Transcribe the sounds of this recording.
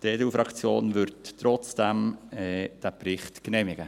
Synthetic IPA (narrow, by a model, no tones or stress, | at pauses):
dedeufɾɑkt͡sjoːnʋʏɾdtɾɔt͡sd̥æmɛd̥æpɾɪχt̪knɛmɪɡə